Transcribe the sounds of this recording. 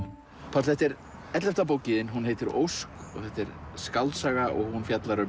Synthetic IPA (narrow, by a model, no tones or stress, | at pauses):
pʰast̪θɛht̪ɛɾ | ɛt̪lɛft̪ap̬oːwcɪðɪnɦunɦeːjt̪ɪɾo̰wskɔ̰ɣθɛht̪ɛɾ̥skawlt̪saɣaʔɔɣhunfjat̪laɾʏ